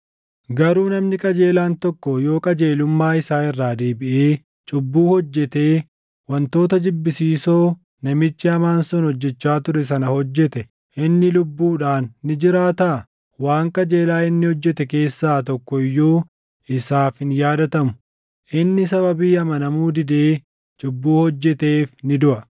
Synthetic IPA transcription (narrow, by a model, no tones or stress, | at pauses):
ɡɐɾuːnɐmnɪkʼɐd͡ʒe̞ːlaːnt̪ɔkːɔjo̞ːkʼɐd͡ʒe̞ːlʊmːaːɪsaːɪrːaːd̪eːbɪʔeː | t͡ʃʼʊbːuːhɔd͡ʒːɛt̪e̞ː | wɐnt̪o̞ːt̪ɐd͡ʒɪbːɪsiːsoː | nɐmɪt͡ʃːɪɐmaːnsɔnhɔd͡ʒːɛt͡ʃːaːt̪ʊɾɛs̬ɐnɐhɔd͡ʒːɛt̪ɛ | ʔɪnːɪlʊbːuːᶑaːnːɪd͡ʒɪɾaːt̪ɐ | waːŋkʼɐd͡ʒe̞ːlaːɪnːɪhɔd͡ʒːɛt̪ɛke̞ːsːaːt̪ɔkːɔɪjːuː | ɪsaːfhɪnjaːd̪ɐt̪ɐmʊ̥ | ʔɪnːɪsɐβɐbiːɐmɐnɐmuːd̪ɪd̪e̞ː | t͡ʃʼʊbːuːhɔd͡ʒːɛt̪e̞ːfnɪd̪ʊʔɐ